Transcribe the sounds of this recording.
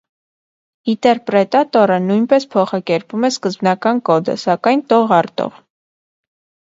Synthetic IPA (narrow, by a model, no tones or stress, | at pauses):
it̪ɛɾpɾɛt̪ɑt̪ɔɾənujnpɛspʰɔχɑkɛɾpumɛskəzbnɑkɑnkɔd̪ə̰sɑkɑjnt̪ɔʁɑɾt̪ɔ̰ʁ